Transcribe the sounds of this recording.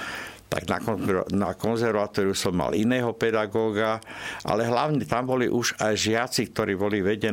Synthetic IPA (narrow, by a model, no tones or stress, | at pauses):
t̪a̰ɡna̰kɔnakɔnzɛɾʋaːt̪ɔːɾusɔmːa̰linɛːɦɔpɛd̪aɡɔːɡaʔa̰lɛɦlaʊɲɛt̪ambɔlḭʔuʒajʒɪat͡sik̚t̪ɔɾiːbɔliʋɛɟɛ